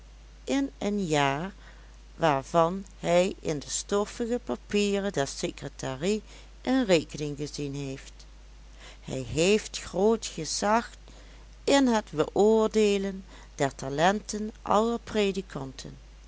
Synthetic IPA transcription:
ʔɪnənjaːɹ | ʋaːɹvɑnhɛjʔɪ̰ndəstɔfəɣəpapiːrədɛɹsekrətaːri | ʔənreːkənɪŋɣəzinɦejft | hɛ̰jɦejftxroːtχəzɑxt | ɪnɦətbəʔʊːɹdeːlən | d̥ɛɹtalɛntənʔɑ̰ləɹpredikʰɑntʰə̰n

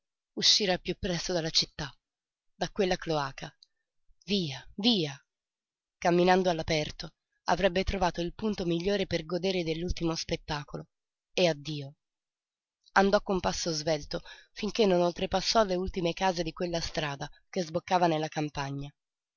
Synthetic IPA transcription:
uʃːiːɾapːjupːɾɛst̪od̪alːat͡ʃit̪ːa | d̪akwelːakloaːka | viːaviːa | kamːinand̪oalːapɛrt̪o | a̰vɾɛbːet̪ɾovaːt̪oilpunt̪omiʎːoːɾeperɡod̪eːɾed̪elːult̪imospet̪ːaːkolo | ead̪ːiːo | and̪ɔkːompasːozvɛlt̪ofiŋk̟enːonolt̪ɾepasːɔlːeult̪imekaːzed̪ikwelːast̪ɾaːd̪akezbokːaːvanelːakampaɲːa

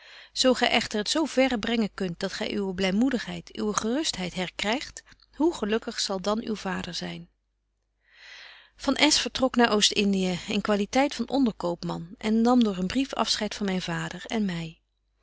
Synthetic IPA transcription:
z̥owχɛjʔɛχtəɹɦətsowv̥ɛrəbrɛŋənkɵnt̚d̥ɑtχɛ̰jʔywəblɛjmudəχɦɛjtʰy̰wəχərɵstɦɛjtɦɛɹkrɛjχt | ɦuχəlɵkəχsɑlˠdɑnywv̥aːdəɹzɛjn | v̥ɑnʔɛsfəɹtrɔknaːɹʔowstɪndiəənkʋaːlitɛjtfɑnʔɔndəɹkowpmɑnʔɛnːɑmdʊːɹənbrifɑ̰fsχɛjtfɑnmɛjnvaːdəɹɛ̰nmɛj

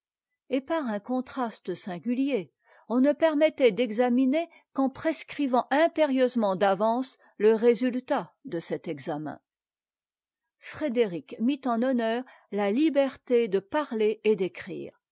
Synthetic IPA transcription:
epaʁɛ̃kɔ̃t̪χast̪əsɛ̃ɡʲylje | ɔ̃nəpɛʁmɛt̪ɛd̪ɛɡzamine | kɑ̃pχeskχivɑ̃ʔɛ̃peʁjøzmɑ̃d̪avɑ̃s | ləʁezylt̪ad̪əsɛt̪ɛɡzamɛ̰̃ | fχed̪eʁikmit̪ɑ̃nɔnœːʁ | lalibɛʁt̪ed̪əpaʁleed̪ekχḭːʁ

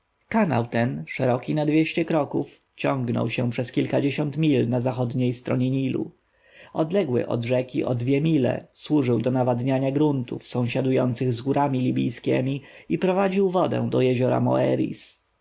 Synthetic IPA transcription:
kana̰wt̪ɛnʂɛɾɔkʲinad̪vʲjeɕt͡ɕɛkɾɔkuf | t͡ɕɔ̃ŋɡnɔ̰wɕɛ̃pʂɛskʲilkad͡ʑeɕɔnt̪mʲilnazaxɔd̪ɲejst̪ɾɔɲɛɲilṵ | ɔd̪lɛɡwɘ̰ʔɔ̰d̪ʐɛkʲiʔɔ̰d̪vʲjɛmʲilɛ̰swuʐɘwd̪ɔnavad̪ɲaɲaɡɾunt̪ufsɔ̃w̃ɕad̪ujɔnt̪sɘɣzɡuɾʔamʲilʲibʲḭjskʲɛ̰mʲi | ipɾɔvad͡ʑiwvɔd̪ɛ̰̃w̃d̪ɔjɛʑɔɾa̰mɔ̰ɛɾʲḭs

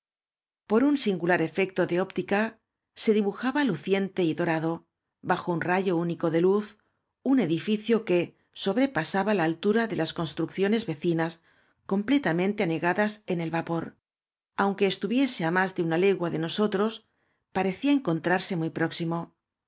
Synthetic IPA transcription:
po̞ɾunsiŋɡulaɾe̞fe̞k̚t̪o̞ðe̞o̞pt̪ika | se̞ðiβuxaβaluθje̞nt̪e̞iðo̞ɾaðo̞ | baxo̞unraʝo̞uniko̞ðe̞luθ | une̞ðifiθjo̞ke̞ | so̞βɾe̞pasaβalaːlt̪uɾaðe̞lasko̞nst̪ɾukθjo̞ne̞zβe̞θinas | ko̞mple̞t̪amẽ̞nt̪eane̞ɣaðase̞ne̞lβapo̞ɾ | awŋke̞ːst̪uβje̞se̞amazðe̞unale̞ɣwaðe̞no̞so̞t̪ɾo̞s | paɾe̞θiaeŋko̞nt̪ɾaɾse̞mujpɾo̞ksimo̞

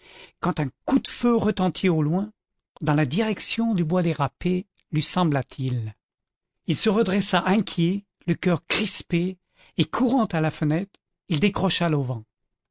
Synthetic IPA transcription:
kɑ̃t̪ɛ̃kud̪føʁət̪ɑ̃t̪ʰiolwɛ̃ | d̪ɑ̃lad̪iʁɛksjɔ̃d̪ybwad̪eʁape | lɥisɑ̃blat̪ʰil | ilsəʁəd̪ʁɛsaʔɛ̃kʲje | ləkʲœʁkχispeː | kʰuʁɑ̃t̪alafənɛt̪χ | ild̪ekχɔʃalovɑ̃

